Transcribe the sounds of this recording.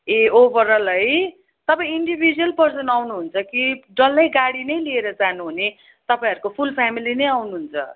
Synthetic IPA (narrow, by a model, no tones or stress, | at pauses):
eobʌɾʌlʌj | t̪ʌpaĩj̃iɳɖibʱid͡zuʌlpʌrsʌnawnuɦunt͡sʰʌkiɖʌlːʌjɡaɽinʌjlieɾʌd͡zanuɦune | t̪ʌpaĩɦʌɾukopʰulpʰamilinʌjawnuɦunt͡sʰʌ̰